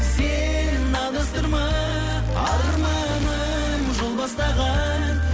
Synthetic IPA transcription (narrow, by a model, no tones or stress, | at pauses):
se | nɪnɑlˠəst̪əɾmɑ | ɑ̰lˠəɾmɑ | nə | mʒo̞lˠbɑst̪ɑʁɑnə